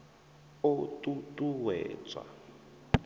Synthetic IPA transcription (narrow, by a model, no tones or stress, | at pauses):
otutʼuwɛ̰ːt͡sʼwa̰